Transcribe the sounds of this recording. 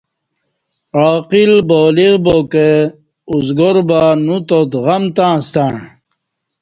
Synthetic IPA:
aːqilboːliɣboke | uzɡoɾbanut̪ot̪ɣɐmt̪ãːst̪ãːɳ

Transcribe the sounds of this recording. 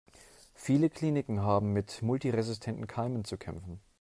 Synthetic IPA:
fiːləkʰl̥iːnɪkŋ̩ɦaːbm̩mɪtmʊltiʁezɪstʰɛntn̩kʰaɪmənt͡sukʰɛ̰mfn̩

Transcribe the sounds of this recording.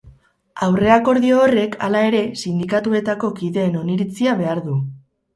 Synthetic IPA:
awre̞ako̞ɾðio̞ːre̞kʰa̰lae̞ɾe̞sind̪ikat̪ue̞t̪ako̞kiðe̞ːno̞niɾit͡siaβ̞e̞aɾðu

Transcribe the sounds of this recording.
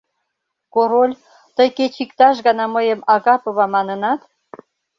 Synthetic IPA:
koɾolʲ | t̪əjket͡ɕikt̪ɑʃ̬ɣɑnɑməjəmɑɣɑpɤ̆βɑmɑnə̆nɑt̪

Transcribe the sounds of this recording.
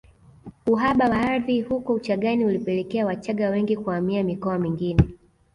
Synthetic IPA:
uɦaɓawaaɾðihukɔut͡ʃaɠaniulipɛlɛkɛawat͡ʃaɠawɛŋɡikuamiamikɔamiŋɡinɛ

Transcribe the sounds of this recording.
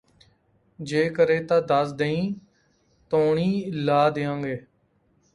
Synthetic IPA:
d͡ʒeːkəɾeːt̪ãːd̪əsd̪eĩː | t̪oːɳiːlaːd̪ɪːãːŋɡeː

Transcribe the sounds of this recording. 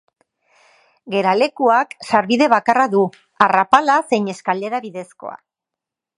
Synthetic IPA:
ɡe̞ɾale̞kuaksaɾβiðe̞β̞akaraðu | arapalase̞jɲe̞skald̪e̞ɾaβiðe̞sko̞̰a̰

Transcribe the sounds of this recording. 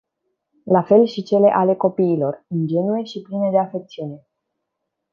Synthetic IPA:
lafe̞lʃit͡ʃe̞le̞ʔale̞ko̞piːlo̞rɨnd͡ʒe̞nuje̞ʃipline̞d̪e̞afe̞k̚t̪siune̞

